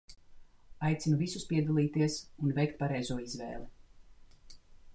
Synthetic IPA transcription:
ajt̪sinuvisuspiɛd̪alˠiːt̪iɛsunvɛjkt̪̚paɾɛjzuɔizvɛ̰ːlˠɛ

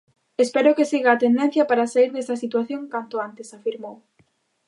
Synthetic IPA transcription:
espɛɾʊkesiɣaːt̪end̪ɛn̟θjɐpaɾasaiɾðɛst̪ɐsit̪waθjõŋkant̪ʊant̪esafiɾmow

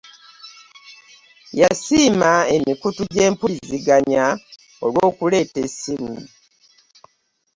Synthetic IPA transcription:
jasiːmaemikutuɟe̞ːmpuliziɡaɲa | olwoːkule̞ːtesimi

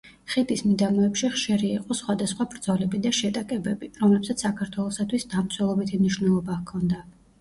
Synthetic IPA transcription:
χid̪ismid̪amɔɛpʃiχʃiɾiiqʼɔsχwad̪asχwabɾd̪z̥ɔlɛbid̪aʃɛt̪ʼakʼɛbɛbiɾɔmlɛpsat̪ssakʰaɾt̪ʰwɛlˠɔsat̪ʰwisd̪amt̪sʰwɛlˠɔbit̪ʰimniʃwnɛlˠɔbakʰɔnd̪a

